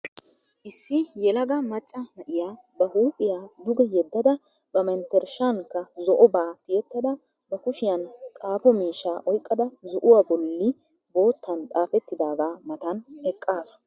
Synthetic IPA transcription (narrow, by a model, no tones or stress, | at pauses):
ʔɪsːɪjɛlɐɡɐmɐt͡ʃʼːɐmɐʔɪjaː | bɐhuːpʼɪjaːd̪ʊɡɛjɛd̪ːɐd̪ɐ | bɐmɛnt̪ɛɾʃaŋkːɐzɔʔɔbaːt̪ɪjɛt̪ːɐd̪ɐ | bɐkʊʃɪjɐnkʼaːpɔmiːʃaːʔɔjkʼːɐd̪ɐzɔʔʊwaːbɔlːɪ | bo̞ːt̪ʰːɐnt̪ʼaːfɛt̪ːɪd̪aːɡaːmɐt̪ɐnɛkʼːaːsʊ̥